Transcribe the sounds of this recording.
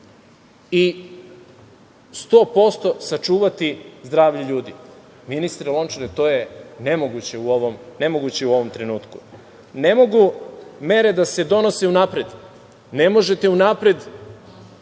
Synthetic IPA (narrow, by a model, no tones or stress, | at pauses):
i | st̪o̞ːpo̞st̪o̞sat͡ʃuːʋat̪izd̪ɾaːʋʎiʎuːd̪i | minist̪ɾelˠo̞nt͡ʃonet̪o̞ːjene̞moɡut͡ɕe̞uoʋomne̞mo̞ɡut͡ɕeuo̞ʋo̞mt̪ɾe̞nuːt̪ku̥ | ne̞mo̞ɡume̞ɾe̞d̪ase̞d̪o̞no̞se̞unapɾe̞d̪ | ne̞mo̞ʒe̞t̪eunapɾe̞d̪